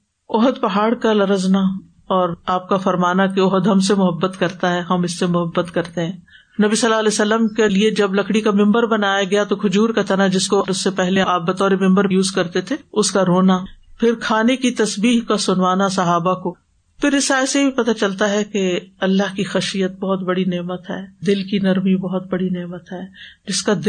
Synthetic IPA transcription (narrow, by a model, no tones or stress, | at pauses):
ɔɦəd̪pɐɦaːɽkalɐɾəzna | ɔːɾaːp̚kafɐɾmaːnakeɔɦəd̪ɦɐms̬emʊɦəbːət̪kɐɾt̪aɦɛɦɐmɪsːemʊɦəbːət̪kɐɾt̪eɦɛ̃ː | nɐbisɐlːaɐlɛːsɐlːəmkelied͡ʒɐblɐkɽikamɪ̃mbəɾbɐnaːjaɡɐjat̪okʰʊd͡ʒuːɾkat̪ʰɐnad͡ʒɪskoʊsːepɛɦleaːp̚bɐt̪ɔːɾemɪ̃mbəɾjuːzkɐɾt̪et̪ʰeʊskaɾoːnapʰɪɾkʰaːnekit̪ɐsbiːɦkasʊnʋaːnasɐɦaːbako | pʰɪɾɪsaːsebipɐt̪at͡ʃɐlt̪aɦɛkeɐlːaɦkixɐʃijət̪̚bɔɦʊt̪bɐɽineːmət̪ɦɛːd̪ɪlkinɐɾmibɐɦt̪̚bɐɽineːmət̪ɦɛːd͡ʒɪskad̪